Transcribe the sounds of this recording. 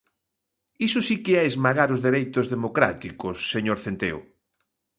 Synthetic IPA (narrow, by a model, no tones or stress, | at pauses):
isʊsikeaezmaɣaɾozðeɾejt̪ʊzðemokɾa̰t̪ikosːeɲoɾθent̪ḛo̰